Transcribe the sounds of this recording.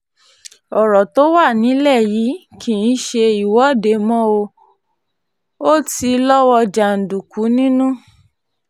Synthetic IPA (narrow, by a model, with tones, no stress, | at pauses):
ɔ˨ɾɔ˨to˨˦wa˦˨nĩ˨˦lɛ˦˨ji˨˦kʰi˨n̩˦ʃe˧i˨wɔ˨˦˨de˨˦mɔ̃˦o˧ | o˦ti˧lɔ˦wɔ˧d͡ʒa˨n̩˨du˨ku˨˦nĩ˦nũ˦